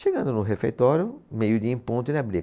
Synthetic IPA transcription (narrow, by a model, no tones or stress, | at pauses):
ʃeɡɐ̃nd̪ʊnʊɦefejt̪ɔɾjʊmejʊd̪iĩpõnt̪ʊẽlabɾi